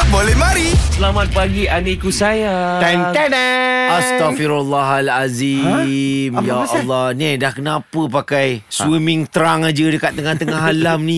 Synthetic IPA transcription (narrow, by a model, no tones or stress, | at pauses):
bolɛhmãɾisəlamat̪̚paɡiʔanikusaja | ant̪nast̪afiɾalːaɦalazi | mjaɔlːɔnɛdahkənãpəpakajswimɪ̃ŋt̪əɾaŋad͡ʒədəkat̪̚ːəŋaht̪əŋaɦalamnĩ